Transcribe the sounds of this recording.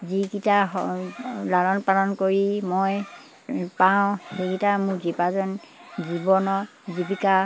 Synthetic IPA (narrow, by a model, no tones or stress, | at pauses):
zikita | lalɔnpalɔnkoɹimɔj | paʊ̃hekitamʊɹzipazɔn | zibɔnɔ | zibika